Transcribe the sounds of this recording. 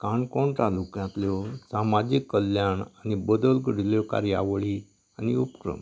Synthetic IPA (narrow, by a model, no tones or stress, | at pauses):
kaɳkɔɳʈ̪alukjãt̪ljɔsamad͡ʑikːəljaɳanibəd̪əlɡəɽiljɔka̰ɾja̰ʋɭi | aniupkɾə̰m